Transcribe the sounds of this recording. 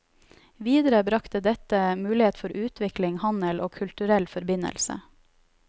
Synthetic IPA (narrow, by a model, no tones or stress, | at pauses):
ʋiːd̪əɾəbɾɑkt̪əd̪ɛt̪əmʉːlɪheːt̪fɔɾʔʉːt̪ʰʋɪklɪŋhɑnəlʔoːkʰʉlt̪ʉɾɛlfɔɾbɪnə̰lsə̰